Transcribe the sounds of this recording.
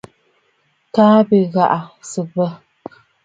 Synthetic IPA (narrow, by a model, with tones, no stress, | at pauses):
kaː˦bi˦ɣa˨ʔa˨sɨ˨bə˦